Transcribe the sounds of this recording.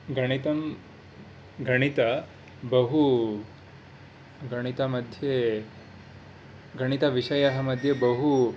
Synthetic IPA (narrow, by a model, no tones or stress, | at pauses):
ɡɐɽ̃it̪ɐm | ɡʱɐɽ̃it̪ɐ | bɐɦu | ɡɐɽ̃it̪amɐd̪ʱje | ɡɐɽ̃it̪ɐʋiʂɐjɐɦɐmɐd̪ʱjebəɦu